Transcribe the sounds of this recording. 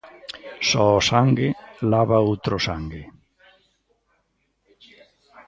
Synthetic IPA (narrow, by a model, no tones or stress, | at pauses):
sɔːsaŋɡelaβaowt̪ɾosaŋɡe